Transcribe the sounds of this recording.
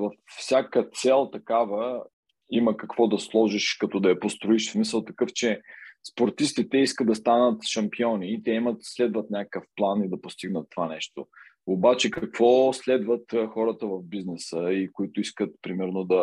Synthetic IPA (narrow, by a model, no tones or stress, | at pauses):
vɐfsʲjakət̪sɛlˠt̪ɐkavə | iməkɐkvɔd̪ɐslˠɔʒiʃkɐt̪ɔd̪ɐɛpost̪ɾoiʃsmisəlˠt̪ɐkɤft͡ʃɛspoɾt̪ist̪it̪ɛiskəd̪̚d̪ɐst̪anət̪ʃɐmpiɔniːt̪ɛimət̪slɛd̪vət̪nʲakəkəfplˠanid̪ɐpost̪iɡnət̪ːovanɛʃt̪o | obat͡ʃɛkɐkv̥ɔslɛd̪vət̪ːxɔɾət̪əvɐvbiznɛsəikʊit̪ʊiskət̪̚pɾimɛɾnod̪ɐ